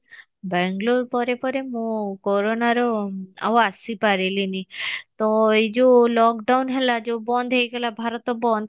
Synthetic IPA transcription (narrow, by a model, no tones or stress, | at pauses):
bɛŋɡloɾpɔɾepɔɾemũkɔɾonaɾɔa̰wasipaɾelinit̪ɔed͡ʒolɔkɖawnɦɛlad͡ʒobɔnd̪ʱɦejɡɛlabʱaɾɔt̪ɔbɔnd̪ʱ